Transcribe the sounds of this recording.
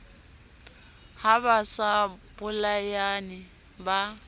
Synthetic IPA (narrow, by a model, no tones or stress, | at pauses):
haβasabʊlajanɪ | ba